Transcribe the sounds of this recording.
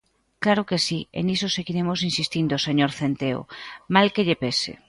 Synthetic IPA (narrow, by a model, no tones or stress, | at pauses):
klaɾokesiḛnisoseɣiɾemos̬insist̪ind̪oseɲoɾθent̪eo̰malkeʎepesḛ